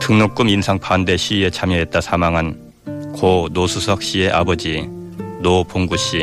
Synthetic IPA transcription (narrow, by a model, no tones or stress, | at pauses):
tɯŋnok͈ɯminsʰaŋpʰande̞ɕʰie̞t͡ɕʰamjʌɦe̞t̚t͈asʰamaŋɦan | konosʰusʰʌk̚ɕ͈ie̞ʔabʌd͡ʑinopoŋɡuɕ͈i